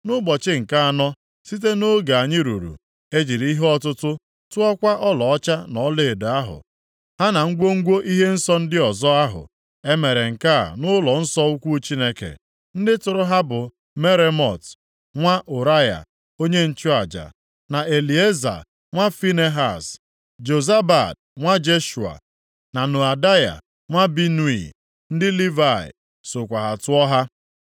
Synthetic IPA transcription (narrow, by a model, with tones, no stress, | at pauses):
nʊ˦bɔ˨t͡ʃɪ˦ŋ̩˨ka˦a˨nɔ˦ | si˦t̬e˦no˦ɡa˨a˨ɲɪ˦ɾu˨ɾṵ˨ | e˦d͡ʒi˨ɾi˦ɦe˦ɔ˦tʊ˦tʊ˦ | tʊ˦ɔ˦kʷa˦ʔɔ˦lɔ˨ɔ˦t͡ʃa˦nɔ˨˦le˦˨da˦ɦʊ̰˨ | ha˦na˨ŋ̩˦ɡʷo˦ŋ̩˦ɡʷo˦ʔi˦ɦe˦n̩˦sɔ˦n̩˦dɪ˦ɔ˨zɔ˦a˦ɦʊ̰˨ | e˦me˨ɾe˨ŋ̩˨ka̰˦˨nʊ˦lɔ˨n̩˦sɔ˦u˦kʷu˦t͡ʃi˦ne˦kḛ˨ | n̩˦dɪ˦tʊ˨ɾʊ˦ɦa˦bʊ˨ | me˦ɾe˦mɔ˨t | ŋʷa˦ʔʊ˨ɾa˦ja̰˨ | o˦ɲe˦n̩˨t͡ʃʊ˦a˨d͡ʒa̰˨ | na˨e˨li˨e˦za̰˨ | ŋʷa˦fi˦ne˦ɦa˦˨s | d͡ʒo˨za˦ba˨d̚ | ŋʷa˦d͡ʒe˦ʃu˨a̰˨ | na˨nu˨a˨da˦ja̰˨ | ŋʷa˦bi˦nu˦ḭ˨ | n̩˦dɪ˦li˦va˦˨ɪ̰˨ | sʊ˨kʷa˨ɦa˨tʊ˦ɔ˦ɦa˦